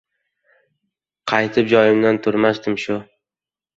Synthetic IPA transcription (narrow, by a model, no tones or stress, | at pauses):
qʰɑjt̪ʰɪp̚d͡ʒɒjɪmd̪ant̪ʰʊɾmast̪ɪmʃʊ